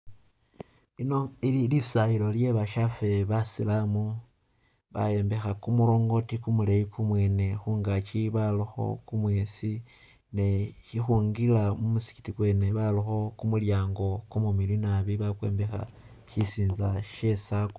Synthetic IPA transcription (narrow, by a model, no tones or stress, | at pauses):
ino̞ililisailo̞lje̞βaʃafe̞βasilamu | βa̰je̞ːmbe̞xakumuɾo̞ːŋɡo̞tikumuleikʰumwe̞ːne̞xuːŋɡat͡ʃiβalixo̞̰kumwe̞si | neʃixuŋɡilamumusi̥ki̥tikwe̞ne̞βalixo̞kumuljaːŋɡo̞kumumilinaβiβakwe̞̰ːmbe̞xa̰ | ʃisiːnzaʃe̞sako